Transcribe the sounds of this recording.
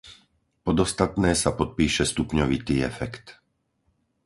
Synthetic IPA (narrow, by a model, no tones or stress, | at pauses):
pɔd̪ɔst̪at̪nɛːsapɔt̪̚piːʃɛst̪upɲɔʋit̪iːɛ̰fɛkt̪